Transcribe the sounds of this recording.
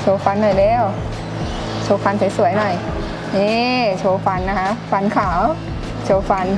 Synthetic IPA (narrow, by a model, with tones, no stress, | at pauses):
t͡ɕʰoː˧˦fa˧˥nːɔ˨˩jlɛː˧˥˩w | t͡ɕʰoː˧fa˧˥nsa˨˦jsu˨˩˦jnɔ˨˩j | ʔeː˧t͡ɕʰoː˧fa˧˥nːa˧ka˦˥ʔfa˧˥nkʰaː˨˩˦w | t͡ɕʰoː˧˦fa˧˥n